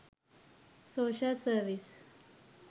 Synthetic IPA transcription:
soɕəlsəɾʋis

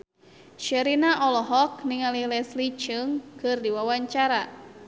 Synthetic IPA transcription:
ʃəɾinaʔɔlɔɦɔk̚niŋalilɛslit͡ʃɨŋkɨrdiwawaɲt͡ʃaɾa

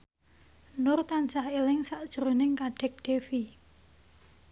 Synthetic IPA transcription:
nʊrt̪ansahelɪŋsaʔd̥ʒ̥ɾonɪŋkaɖ̥ɛk̚ɖ̪̥efi

